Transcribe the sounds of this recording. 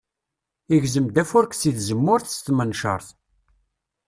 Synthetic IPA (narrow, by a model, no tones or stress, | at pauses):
iʝzəmd̪æfʊɾksiθzəmːʊɾθst̪mənʃə̰ɾˤθ